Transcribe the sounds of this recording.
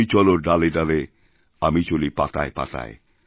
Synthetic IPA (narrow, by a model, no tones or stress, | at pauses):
it͡ʃɔlodaledale | amit͡ʃolipat̪a̰jpa̰t̪a̰j̰